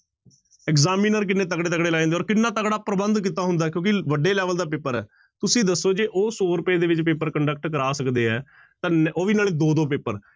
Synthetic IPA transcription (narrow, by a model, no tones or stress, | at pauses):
ɛkzaːmiːnəɾk̬ɪnːẽːt̪əkɽeːt̪əkɽeːlaːẽːnd̪ːɔːɾkɪnːãːt̪əkɽaːpɾəbənd̪kiːt̪aːɦʊ̃nd̪aːkjõːkɪʋəɖeːlɛːʋəld̪aːpeːpəɾɛ̰ː | t̪ʊsĩːd̪əsːoːd͡ʒeːʔoːsoːɾʊpeːd̪eːʋɪt͡ʃpeːpəɾkəɳɖək̚ʈkəɾaːsəkd̪eːɛː | t̪ãːnoːʋiːnaːleːd̪oːd̪oːp̬eːpəɾ